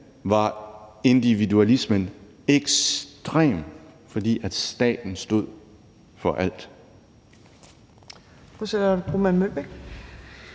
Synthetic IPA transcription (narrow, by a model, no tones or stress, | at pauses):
ʋɑ̈e̝nd̥iʋiduælismən | eɡ̥sd̥ʁḛːmfɒ̽d̥ḭːæd̥sd̥ɛ̰ːd̥n̩sd̥o̝ð̰ˠ | fɒ̽ʔæl̰d̥ | osedɐb̥ʁumænmøb̥eɡ̥